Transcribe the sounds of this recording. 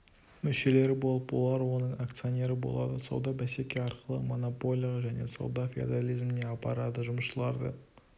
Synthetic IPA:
mʏʃe̞le̞ɾɪbo̞lˠəpwo̞̰lˠɑɾwo̞nəɴakt̪sɨo̞ne̞ɾəbo̞̰lˠɑ̰d̪əsɑ̰wd̪ɑbæse̞kʲe̞ɑɾqəlˠə̰mo̞nopo̞lʲijaʒæne̞̰sɑ̰wd̪ɑfʲḭd̪alʲijzmɪne̞ɑpɑɾɑd̪əʒʊməʃəlˠɑɾd̪ə̰

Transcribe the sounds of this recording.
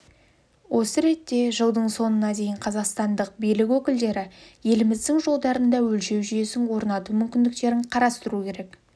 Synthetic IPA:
wʔo̞səɾe̞t̪ːe̞ʒəlˠd̪əɴso̞nənɑd̪e̞jɪɴqʰɑzɑqst̪ɑnd̪əq̚bijlɪkʲwɵkʲɪld̪e̞ɾɪje̞lɪmɪzd̪ɪŋʒo̞lˠd̪ɑɾənd̪ɑwɵlʃe̞wʒyje̞sɪŋwo̞ɾnɑt̪umʏmkʲɪnd̪ɪk̚t̪e̞ɾɪɴqʰɑɾɑst̪əɾukʲʰe̞ɾe̞k

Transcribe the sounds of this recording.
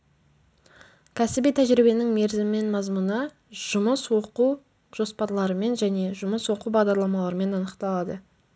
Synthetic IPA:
kʲʰæsɪbijt̪ʰæʒɾibe̞nɪŋme̞ɾzɪmɪme̞nmɑzmunə | ʒ̥ʊməswo̞quw | ʒ̥o̞spɑɾlˠɑɾəme̞nʒæne̞ʒʊməswo̞quwbɑʁd̪ɑɾlˠɑmɑlˠɑɾəme̞nɑnəqt̪ɑlˠɑd̪ə

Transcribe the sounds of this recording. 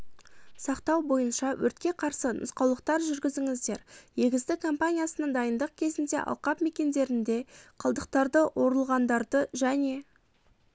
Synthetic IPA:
sɑqt̪ɑwbo̞jənʃɑwʔɵɾt̪̚kʲe̞qʰɑɾsənʔʊ̰sqɑwlˠəq̚t̪ɑɾʒʏɾɡʲɪzɪŋɪzd̪e̞ɾje̞ɡʲɪzd̪ɪkʰo̞mpanʲijasənəɴd̪ɑjənd̪əq̚kʲʰe̞zɪnd̪e̞̰ʔɑ̰lˠqɑpme̞kʲe̞nd̪e̞ɾɪnd̪e̞qʰəlˠd̪əqt̪ɑɾd̪əwʔo̞ɾəlˠʁɑnd̪ɑɾd̪əʒæne̞

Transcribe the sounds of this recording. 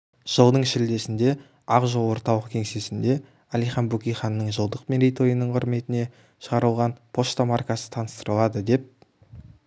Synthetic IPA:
ʒ̥əlˠd̪əɴʃɪld̪e̞sɪnd̪e̞ | ɑqʒolˠwo̞ɾt̪ɑlˠəqkʲʰe̞ŋse̞sɪnd̪e̞ | ælijχɑnbukʲijχɑnːəɴʒəlˠd̪əqmeɾejt̪o̞jənəɴqʰʊ̰ɾme̞t̪ɪne̞ | ʃəʁɑɾəlˠʁɑnpʰo̞st̪amarkasə̥t̪ʰɑnəst̪əɾəlˠɑd̪əd̪e̞p̚

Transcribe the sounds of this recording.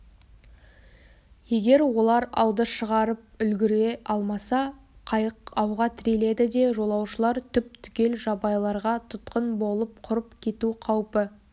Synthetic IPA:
je̞ɡʲe̞ɾwo̞lˠɑɾɑ̰wd̪əʃəʁɑɾəp̚ʏlɡʲɪɾe̞ɑlˠmɑsɑ | qʰɑjəqɑwʁɑt̪ʰɪɾe̞le̞d̪ɪd̪e̞ʒo̞lˠɑwʃəlˠɑɾt̪ʰʏp̚t̪ʰʏ̥kʲe̞lʒɑbɑjlˠɑɾʁɑt̪ʰʊt̪qənbo̞lˠəp̚qʰʊɾəp̚kʲʰe̞t̪uqʰɑwpə

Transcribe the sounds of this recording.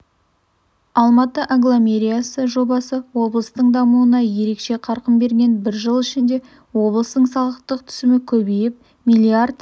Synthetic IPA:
ɑlˠmɑt̪əʔaŋɡlˠamʲe̞ɾijasəʒo̞bɑsəwo̞blˠəst̪əɴd̪ɑmuənɑje̞ɾe̞kʃe̞qʰɑɾqəmbe̞ɾɡʲe̞nbɪɾʒəlˠɪʃɪnd̪e̞ | wo̞blˠəst̪əɴsɑlˠəqt̪əq̚t̪ʰʏ̥sɪmɪkʲʰɵbejɪp̚ | milʲiard̪

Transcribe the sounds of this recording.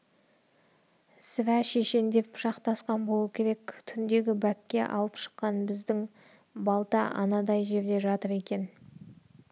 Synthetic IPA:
sɪvæʃe̞ʃe̞nd̪e̞pʰʊ̥ʃɑqt̪ɑsqɑnbo̞lˠukʲʰe̞ɾe̞k̚ʲt̪ʰʏnd̪e̞ɡʲɪbækʲːe̞̰ʔɑ̰lˠəpʃə̥qːɑnbɪzd̪ɪŋ | bɑlˠt̪ɑʔɑ̰nɑd̪ɑjʒe̞ɾd̪e̞ʒɑt̪əɾe̞kʲe̞n

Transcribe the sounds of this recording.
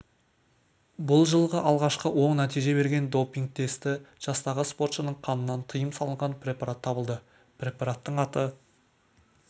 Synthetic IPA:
bʊlˠʒəlˠʁəʔɑlˠʁɑʃqəwo̞ɴnæt̪ijʒe̞βe̞ɾɡʲe̞nd̪o̞piŋk̚t̪ʰe̞st̪ɪʒ̥ɑst̪ɑʁəspo̞rt̪ʃənəɴqʰɑnənːɑnt̪ʰəjəmsɑlˠəɴʁɑnpʰɾʲe̞pɑɾat̪ʰːɑbəlˠd̪ə | pɾʲe̞pɑɾat̪ːəɴɑt̪ə

